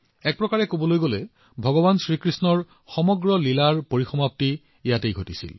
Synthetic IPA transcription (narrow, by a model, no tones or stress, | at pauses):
ɛk̚pɹɔkaɹɛkobɔlojɡolɛ | bʱɔɡɔβansɹikɹisnɔɹ | xɔmɔɡɹɔlilaɹpoɹixɔmapti | ijatejɡʱotisḭl